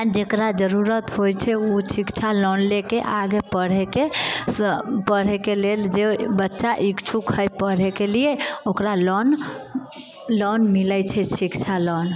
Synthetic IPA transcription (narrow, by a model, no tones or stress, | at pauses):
d͡ʒekɾad͡ʒəɾuɾət̪ɦojt͡ʃʰɛusikt͡ʃʰalɔnlekeʔaɡepəɽ̤eke | pəɽ̤ekeleld͡ʒebətːʃaʔikt͡ʃʰukʰəjpəɽ̤ekelieokɾalɔn | lɔnmilət͡ʃʰɛsikt͡ʃʰalɔn